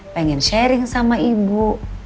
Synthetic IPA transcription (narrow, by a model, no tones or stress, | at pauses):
pɛŋɛnʃɛɾiŋsamaibu